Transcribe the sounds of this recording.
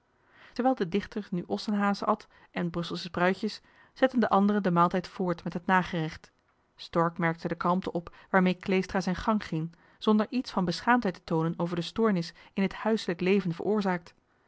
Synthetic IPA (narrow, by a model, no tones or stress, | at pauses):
təɹʋɛːlˠdədɪχtəɹnyʔɔsənɦaːzəɑt | ʔɛnbrɵsəlˠsəbrœɥcəs | z̥ɛtəndəʔɑndərəndəmaːlˠtɛjtfʊːɹtmɛtɦətnaːχərɪχt | stɔɹkmɛɹk̚tədəkɑlˠmtəʔɔpʋaːɹmejklejstraːzɛjnχɑŋχɪŋ | z̥ɔndəɹʔitsfɑnbəsχaːmtɦɛjtə̥townənowvəɹdəstʊːɹnɪsɪnɦəthœɥsələklejvənvə̰ɹʔʊːɹzaːk̚t